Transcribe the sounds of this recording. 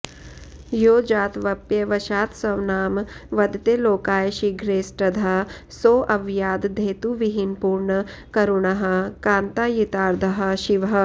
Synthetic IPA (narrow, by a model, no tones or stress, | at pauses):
joːd͡ʒaːt̪ʋɐpjɐʋɐʃaːt̪sɐʋnaːmʋɐd̪t̪eloːkaːjʃiɡʱɾeːsʈɐd̪ʱa | soːʔɐʋjaːd̪d̪ʱeːt̪uʋiɦinpuːɾɳɐ | kɐɾuɳɐɦɐ̆kaːnt̪aːjit̪aːɾd̪ʱɐɦɐ̆ʃiʋɦɐ̆